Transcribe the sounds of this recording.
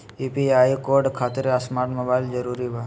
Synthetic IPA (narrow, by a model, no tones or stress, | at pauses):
upiaːikoːɾɖkʰaːt̪ɾasmaːɾʈmɐbaːɪld͡ʒəɾuːɾibaː